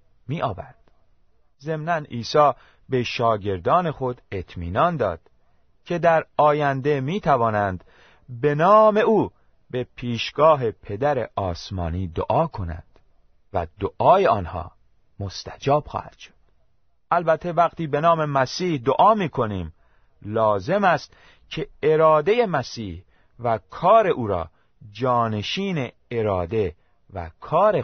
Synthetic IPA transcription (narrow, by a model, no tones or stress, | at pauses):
miːʔɒːvæɾd̪̥ | ze̞mnæniːsɒː | be̞ʃɒːɟe̞ɾd̪ɒːne̞xo̞d̪e̞t̪ʰmiːnɒnd̪ɒ̰ːd̪̥ | cʰe̞d̪æɾɒːjænd̪e̞miːt̪ʰævɒːnænd̪ | be̞nɒːme̞uː | be̞pʰiːʃɡ̥ɒːɦe̞pʰe̞d̪æɾe̞̰ɒːsmɒ̰ːniːd̪o̰ʔɒːkʰo̞næ̰nd̪̥ | væ̰d̪oʔɒːjeɒːnhɒ̰ː | most̪æd͡ʒɒːb̥xɒ̰ːhæd̪̥ʃo̥d̪̥ | ʔælbæt̪ʰːe̞væɣt̪ʰiːbe̞nɒːme̞mæsiːhd̪oʔɒːmiːkʰo̞niːm | lɒːze̞mæst̪ | cʰe̞eɾɒːd̪e̞je̞mæsiːh | vækʰɒːɾe̞ʔuːɾɒ̰ː | d͡ʒɒːne̞ʃiːne̞ː | ɾɒːd̪e̞ | væ̰kʰɒːɾe